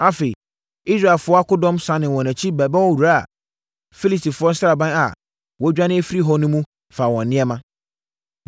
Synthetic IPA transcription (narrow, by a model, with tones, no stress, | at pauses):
a˦fe˨i˨ | i˦sɾa˨ɛ˨lfʊ˨˦ɔ˦a˦kʊ˦dɔ̃˦msã˨˦nɪ̃˨wɔ̃˨næ̃˨t͡ɕʰi˦bɛ˨bɛ˦wɔ˦wu˨ɾa˦a̰˨ | fi˦li˨sti˨fʊ˨˦ɔ˦sɾa˨bã˦a̰˨ | wɔ˨˦d͡ʑᶣa˦nɪ̃˦e˦fi˦ɾi˦ɦɔ˦nʊ̃˦mũ˦ | faː˨wɔ̃˨nɪ̃˦ɛ˦mã˦